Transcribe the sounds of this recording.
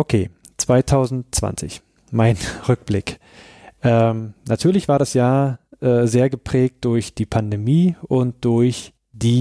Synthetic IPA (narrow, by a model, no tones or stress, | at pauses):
ʔokʰeː | t͡sv̥aɪtʰaʊzn̩tt͡sv̥a̰nt͡sɪç | maɪnʁʏk̚b̥lɪk | ʔɛːmnatʰyːɐlɪçv̥aːɐdasjaːɐʔɛːzeːɐɡəpʁ̥ɛːk̚t̚d̥ʊɐçd̥iːpʰandemiːʔʊnt̚d̥ʊɐç | d̥iː